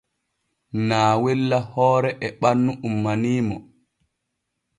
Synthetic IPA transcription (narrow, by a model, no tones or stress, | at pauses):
naːwɛlːahɔːɾɛʔɛɓanːuʔumːaniːmɔ